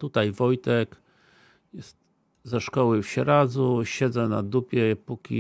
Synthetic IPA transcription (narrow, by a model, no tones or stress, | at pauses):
t̪ut̪ajvɔjt̪ɛk | jɛst̪ | zɛʂkɔwɘfɕɛɾad̪zuɕɛd̪zɛnad̪upʲjɛpukʲḭ